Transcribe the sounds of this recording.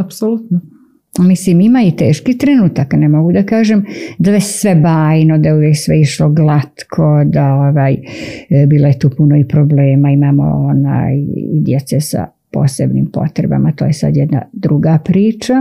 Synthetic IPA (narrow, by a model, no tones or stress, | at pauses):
apsolut̪no | misliːmimait̪ḛːʃkit̪ɾenuːt̪aknemo̞ɡud̪akaːʒemd̪aesʋebaːjnod̪ajujeksʋeiʃloɡlˠat̪kʰod̪aoʋaːj | biːlˠo̞je̞t̪uːpunoipɾobleːmaimaːmo̰ona̰ːjḭd̪jet̪sesa̰ | po̰ːsebnḭːmpo̞̰t̪ɾeba̰mat̪oːjesa̰d̪jɛd̪na̰d̪ɾuɡapɾiːt͡ʃa